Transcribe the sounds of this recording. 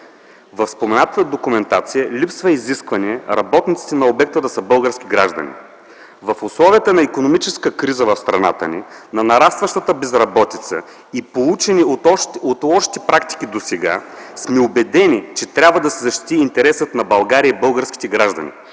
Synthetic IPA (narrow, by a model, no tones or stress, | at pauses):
vɐfspomɛnat̪ət̪əd̪okʊmɛnt̪at̪sijəlipsvɐiziskvɐniɛɾɐ̰bɔt̪nit̪si̥t̪ɛnɐobɛk̚t̪əd̪ɐsəbɤlˠɡəɾsk̟ʲiɡɾaʒd̪ɐ̰nḭ | vɐfʊslˠɔviət̪ənɐikonomit͡ʃɛskəkɾizəvɐfst̪ɾɐna̰t̪əninɐnɐɾast̪vɐʃt̪ət̪əbɛzɾɐbɔt̪it̪sə | ipolˠut͡ʃɛniot̪lˠɔʃi̥t̪ɛpɾakt̪i̥k̟id̪osɛɡa̰smɛobɛd̪ɛnit͡ʃɛt̪ɾʲabvəd̪ɐsɛzɐʃt̪i̥t̪iːnt̪ɛɾɛsət̪nɐbɐlˠɡaɾiəibɤlˠɡəɾsk̟ʲi̥t̪ɛɡɾaʒd̪ɐ̰nʲḭ